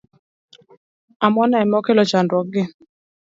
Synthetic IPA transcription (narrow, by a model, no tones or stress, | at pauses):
amɔnaɛmɔkelɔt͡ʃandwɔɡɪ